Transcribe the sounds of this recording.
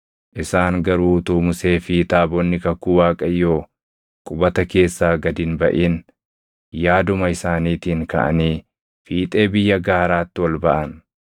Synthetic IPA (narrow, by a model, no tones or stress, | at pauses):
ʔɪsaːŋɡɐɾuːt̪uːmʊse̞ːfiːt̪aːbɔnːɪkɐkːuːwaːkʼɐjːoː | kʼʊbɐt̪ɐke̞ːsːaːɡɐd̪ɪnbɐʔiːn | jaːd̪ʊmɐɪsaːniːt̪ɪːŋkɐ̰ʔɐ̰niː | fiːt̪ʼe̞ːbɪjːɐɡaːɾaːt̪ːɪwɐlbɐʔɐn